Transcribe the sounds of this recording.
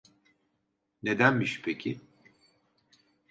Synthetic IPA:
ne̞d̪ænmiʃpʰecʰi

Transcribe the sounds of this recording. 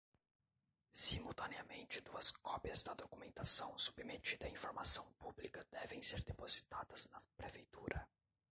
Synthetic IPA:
simulˠt̪ɐneɐmẽnt͡ʃɪd̪uɐskɔpjɐzd̪ɐd̪okumẽnt̪asɐ̃w̃su̥bmet͡ʃid̪ɐaĩfoɾmasɐ̃w̃publikɐd̪ɛvẽj̃seɾd̪epozi̥t̪ad̪ɐznɐpɾefejt̪uɾɐ

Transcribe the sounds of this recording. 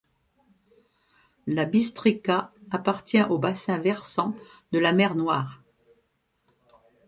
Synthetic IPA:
labist̪χikaːpaʁt̪jɛ̃ʔobasɛ̃vɛʁsɑ̃d̪əlamɛʁnwaːʁ

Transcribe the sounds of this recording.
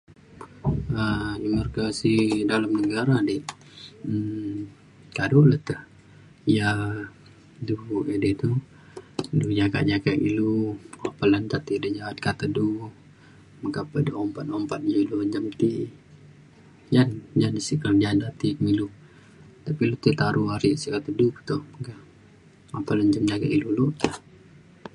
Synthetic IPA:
ədimarkasidalamnəɡaɾadɛʔ̩ | kaduləht̪əh | ja | duedet̪u | dud͡ʒaka̰ʔd͡ʒakaʔḭluɔpəlant̪at̪idəd͡ʒawat̪̚kat̪adu | makapədoompat̪ɔmpat̪̚d͡ʒuluɲd͡ʒamt̪iʔ | d͡ʒand͡ʒanisikəld͡ʒandat̪ikmilu | t̪apilut̪ət̪aɾʔuaɾiʔsikat̪ədukə̥t̪uhməka | apələnd͡ʒamd͡ʒaɡaʔiluloʔ

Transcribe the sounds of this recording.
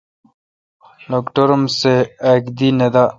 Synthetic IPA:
lokʈoɾmseakd̪ined̪a

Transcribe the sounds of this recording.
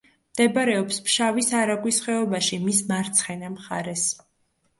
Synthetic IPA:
md̪̥ɛbaɾɛɔpspʃavisaɾaɡwisχɛɔbaʃimismaɾt̪sʰχɛnamχa̰ɾɛs

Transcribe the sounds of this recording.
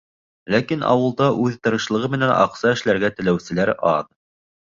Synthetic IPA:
lækinɑ̰wɤ̆lˠd̪ɑʔʉðt̪ɤ̆ɾɤ̆ʃlˠɤ̆ʁɤmɘ̆nænʔɑ̰qsɑɘ̆ʃlæɾɡæt̪ɘ̆læwsɘ̆læɾɑð

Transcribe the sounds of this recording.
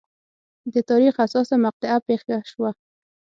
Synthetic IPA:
d̪ət̪ɑɾixasɑsamaq̚t̪ɪapexɡaʃwa

